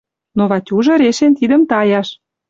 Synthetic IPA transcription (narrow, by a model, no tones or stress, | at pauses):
noβɑtʲuʒɤ̆ɾeʃent̪id̪ə̆mt̪ɑjɑʃ